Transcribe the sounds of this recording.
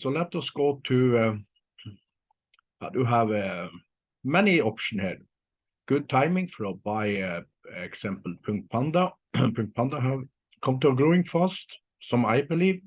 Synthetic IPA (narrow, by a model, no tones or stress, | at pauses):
solɛtəsɡ̥oʊt̪ʰʉ | a̰d̪əɦəv | mɛnɪɔpʃən̩hɛ̰ɹ | ɡ̥ʊd̪̚t̪ʰaɪmɪ̃ŋfɔɹəbaɪ | ɛksæ̃mpl̩ˠpʰʊ̃ŋkt̪̚pʰɑnd̪ɑ | pʰʊ̃ŋkt̪̚pʰɑnd̪əɦə | kʰʌ̃mt̪əɡɹoɪ̃ŋfɑst̪ | sɔ̃ma̰ɪbəliːv